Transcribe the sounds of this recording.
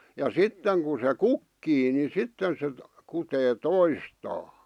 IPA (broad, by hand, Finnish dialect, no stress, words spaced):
jɑ sitːeŋ ku se kukːiː ni sitːen se kuteː toistɑː